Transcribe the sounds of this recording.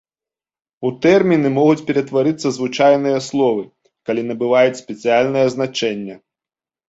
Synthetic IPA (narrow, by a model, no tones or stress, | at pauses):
ut̪ɛrmʲinɨmɔɣut͡sʲpʲɛɾɛt̪vaɾɨt̪sːɐzvɨt͡ʂajnɨjɐslˠɔvɨ | kalʲinɐbɨvajut͡sʲsʲpʲɛt̪sɨjalʲnɨjɐznat͡ʂɛnʲːɐ